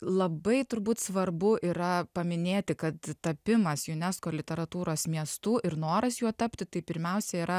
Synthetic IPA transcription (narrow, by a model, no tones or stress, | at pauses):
lˠɐbɐɪt̪ʊɾbuːt̪sʋɐrbʊʔiːɾɐpɐmʲɪnʲeːt̪ʲɪkɐt̪t̪ɐpʲɪmɐsjʊnʲɛskoːlʲɪt̪ʲɛɾɐt̪uːɾoːsmʲiɛst̪uʔɪɾnoːɾɐsjuɔt̪ɐpʲt̪ʲɪt̪ɐɪpʲɪɾʲmʲɛʊsʲɛiːɾɐ